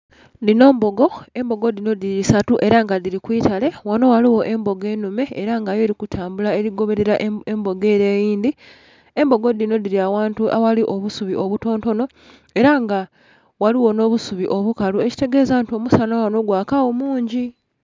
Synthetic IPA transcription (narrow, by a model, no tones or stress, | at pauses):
ndino̞ːmbo̞ɡo̞e̞mbo̞ɡo̞dino̞diɾisatuʔe̞ɾaŋɡadiɾikwiːtale̞wano̞waliwo̞ʔe̞mbo̞ɡe̞ːnume̞ːɾaŋɡaje̞ːɾikutʰaːmbulaeɾiɡo̞βe̞ɾe̞ɾaʔembo̞ɡe̞ːɾeːjiːnd̪i | e̞mbo̞ɡo̞dino̞diɾiawaːntuʔa̰waliʔo̞βusuβiʔoβuto̞ːnto̞no̞ | e̞ɾaŋɡa | waliwo̞no̞ːβusuβiʔo̞βukalueci̥te̞ɡe̞ːzantio̞musanawano̞ɡwaːkawo̞muːɲɟi